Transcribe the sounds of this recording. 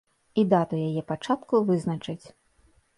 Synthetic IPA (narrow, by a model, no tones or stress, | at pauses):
id̪at̪ujajɛpat͡ʂat̪kuvɨznɐt͡ʂɨt͡sʲ